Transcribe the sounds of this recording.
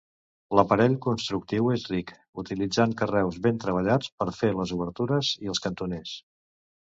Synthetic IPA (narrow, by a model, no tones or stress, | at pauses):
ləpəɾɛʎkunst̪ɾuk̚t̪iwezrik | ut̪ilid͡zaŋkərɛwzβent̪ɾəβ̞əʎat͡spəɾfeləzuβəɾt̪uɾəziəlˠskənt̪unes